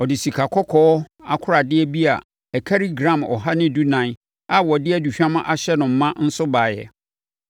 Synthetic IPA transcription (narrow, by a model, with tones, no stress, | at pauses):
ɔ˨dɪ˨si˨kʰa˨kʰɔ˦kʰɔː˦ | a˨kʰʊ˦ɾa˨dɪ˦ɛ˦bi˦a̰˨ | ɛ˨kʰa˦ɾi˦ɡɾã˦˨mɔ̰˨ɦa˦nɪ̃˦˨du˦nã˨˦ | a˨wɔ˨dɪ˦ɛ˦˨du˨ɕᶣã˦mã˦ʔa˨ɕɛ˦nʊ̃˨m̩˨mã˦n̩˦sʊ˦baː˨jɛ̰˨